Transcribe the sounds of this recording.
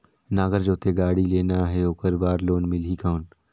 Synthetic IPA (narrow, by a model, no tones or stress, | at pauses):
naːɡəɾd͡ʒoːt̪eɡaːɽileːnaɦɛoːkəɾbaːɾloːnmɪlɦikaːn